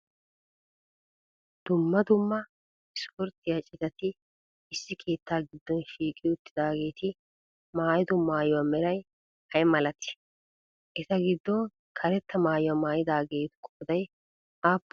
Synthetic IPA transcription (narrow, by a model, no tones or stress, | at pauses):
d̪̥ʊmːɐd̪ʊmːɐ | ɪspʊɾt̪ɪjat͡ʃʼɪt̪ɐt̪ɪ | ɪsːɪkʰe̞ːt̪ːaːɡɪd̪ːɔnʃiːkʼɪʊt̪ːɪd̪aːɡe̞ːt̪ɪ | maːjɪd̪ʊmːaːjɔwamɛɾɐj | hɐjmɐlɐt̪ɪ̥ | ʔɛzɐɡɪd̪ːɔn | kʰɐɾɛt̪ːɐmaːjʊwɐmaːjɪd̪aːɡe̞ːt̪ɪ̥kʼɔːd̪ɐj | aːpː